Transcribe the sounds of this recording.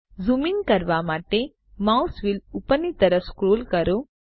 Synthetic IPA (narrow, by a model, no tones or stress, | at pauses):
zuminkɐɾʋamaːʈe | mausʋilupənːit̪ɐɾəfskɾoːlkɐɾo